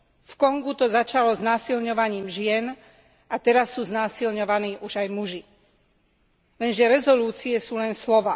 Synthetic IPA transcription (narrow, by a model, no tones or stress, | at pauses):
fkɔŋɡut̪ɔzat͡ʃalɔznaːsilɲɔʋaɲiːmʒɪɛn | at̪ɛɾasːuːznaːsilɲɔʋaniːʔuʒajmuʒi | lɛnʒɛɾɛzɔluːt͡siɛsuːlɛnslɔʋaː